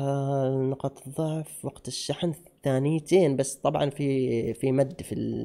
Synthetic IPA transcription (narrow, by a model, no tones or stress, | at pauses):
nʊqɑt̪ˤðˤːɑʕfwɑɡt̪ɪʃːaħnθaːnɪjt̪eːnbasːt̪ˤɑbʕɑ̰nfifimad̪ːfḭl